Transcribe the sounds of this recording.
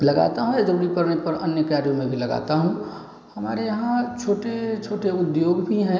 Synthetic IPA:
ləɡa̰ːt̪aɦũed͡ʒəɾuːɾipəɾnepəɾɐ̰njəkaːɾjõmẽbʱilɐɡa̰t̪aɦũ | hɐma̰ːɾejɐɦãt͡ʃʰoːʈet͡ʃʰoːʈeʊd̪joːɡbʱiɦɛ̃

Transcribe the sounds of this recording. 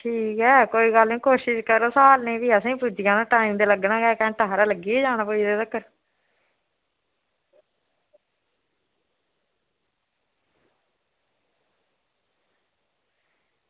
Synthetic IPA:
ʈʰiːkɦɛːkoːiːɡəlnẽːkoːʃɪʃkəɾoːsaːlnẽːʋiːəsĩːpʊd͡ʒɪjãːnãːʈaːimd̪eːləɡnãːɡɛːkɛ̃ːʈaːɾaːləɡiːeːd͡ʒaːñãːpoːid̪eːd̪əkːəɾ

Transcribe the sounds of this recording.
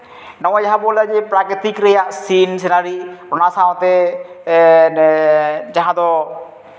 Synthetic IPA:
nɔwad͡ʒaɦabolːad͡ʒepɾakɾit̪ikɾejasinsenaɾiɾɔnasãt̪e | d͡ʒaɦãd̪ɔ

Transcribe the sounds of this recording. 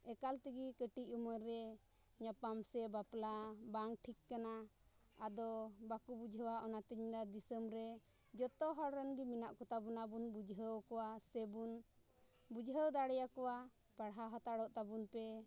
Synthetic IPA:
ɛkalt̪iɡikəʈicuməɾɛ | ɲapamsɛbaplabaŋʈʰikːana | ad̪ɔbakubud͡ʒʱəwaʔɔnat̪iɲlad̪isəmɾɛ | d͡ʒɔt̪ɔɦɔɽɾɛnbiminaʔkɔt̪abunabunbud͡ʒɦəwkɔwasɛbun | bud͡ʒɦəwd̪aɽɛjakɔwa | paɽɦaɦɔt̪aɽɔʔt̪abunpɛ

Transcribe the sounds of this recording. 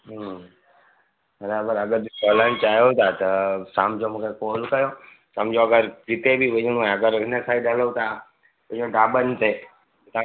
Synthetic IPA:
ɦ | bɐɾaːbəɾɐɡəɾkoːləɽ̃t͡ɕaːɦijot̪ʰat̪ɐsamd͡ʒomũːkʰekoːlkɐjo | sɐmd͡ʒoɐɡəɾkɪt̪ebʱiʋɐ̃ɲə̃uẽɐɡəɾɪnəsaːiɗəlot̪ʰa | ə̃õɖaːbənt̪e | t̪a

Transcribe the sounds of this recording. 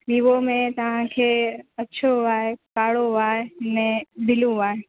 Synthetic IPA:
biːʋomẽt̪ɐʋ̤ãkʰeːɐtːʃʰoaːɦekaːɽoʋaːɦenɛ̃ːbɪlũaːɦe

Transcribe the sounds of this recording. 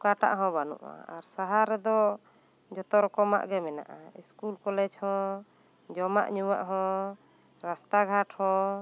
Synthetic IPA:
kaʈa̰ʔɦɔ̃banṵʔa̰aɾsaɦaɾɛd̪ɔ | d͡ʒɔt̪ɔɾɔkɔma̰ʔɡɛmɛna̰ʔaiskulkɔlɛd͡ʒhɔ̃ | d͡ʒɔma̰ʔɲuwaʔɦɔ̃ | ɾast̪aɡʱaʈʰhɔ̃

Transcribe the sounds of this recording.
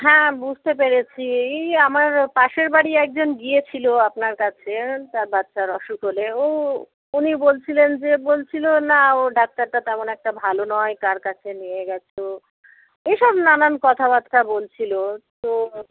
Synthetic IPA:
ɦɛ̃bud͡ʑʱt̪epeɾet͡ɕʰiejamaɾpaʃeɾbaɽiɛk̚d͡ʑonɡiet͡ɕʰiloapnaɾkat͡ɕʰet̪aɾbatːʃaɾɔʃukoleo | unibolt͡ɕʰilend͡ʑebolt͡ɕʰilonaoɖak̚t̪aɾt̪at̪ɛmonɛk̚ʈabʱalonɔek̪aɾkat͡ɕʰenieɡɛt͡ɕʰo | ejʃɔbnanankɔt̪ʰabad̪kʰabolt͡ɕʰilot̪o

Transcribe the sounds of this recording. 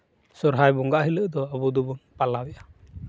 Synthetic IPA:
sɔɾɦajbɔŋɡaʔɦiləʔd̪ɔabud̪ubunpalabɛʔa

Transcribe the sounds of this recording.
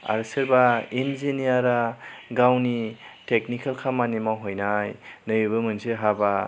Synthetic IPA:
a̰ɾsɯɾbainzinijaɾaɡawnitek̚nikʰalkʰamanimawɦɔjnajnɯjɯbɯmɯnseɦaba

